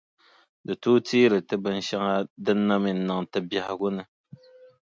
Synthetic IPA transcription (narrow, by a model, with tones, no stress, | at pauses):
dɨ˨tu˦tiː˦ɾɨ˨tɨ˦bɨ˦n̩˦ʃa˦ŋa˦dɨ˦nːa˦mi˨n̩˦nɨ˨ŋtɨ˦bja˨ha˨ɡʊ˦nɨ˨